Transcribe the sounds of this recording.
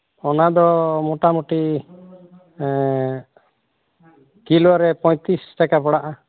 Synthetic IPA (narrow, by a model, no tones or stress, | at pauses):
ɔnad̪ɔmɔʈamuʈi | kilaɾɛpɔj̃t̪isʈakapɔɽaʔa